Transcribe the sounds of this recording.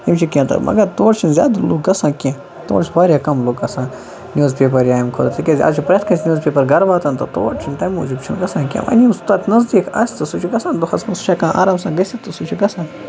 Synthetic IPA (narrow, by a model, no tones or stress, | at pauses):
imt͡ʃʰikʲãnt̪ɐ̰mʔɐ̰ɡɐɾt̪oːɾt͡ʃʰinzʲja̰ːd̪uloːɡɡɐsãːkʲãː | t̪o̰ːɽt͡ʃʰbaːɾʲjakɐmloːɡɐsãː | nʲjoːzpʲeːp̬ɐɾjaːjmkʰoɾt̪ʰikʲezʲiɐ̰t͡ʃʰipɾɐt̪kɐnsʲnʲoːzpʲeːpɐɾɡɐɾʋaːt̪ɐnt̪ɐt̪o̰ːɾt͡ʃʰint̪ɐmoːd͡ʒibt͡ʃʰinɡɐsãːnkʲã̰ːʋɐ̰nʲimst̪ɐt̪ʰnɐzd̪iːkʰɐsʲt̪ɐsut͡ʃʰuɡɐsãːnd̪uxɐsmɐnsʃʰakãːʔa̰ːɾaːmsãːɡɐsʲit̪usut͡ʃʰuɡɐsãːn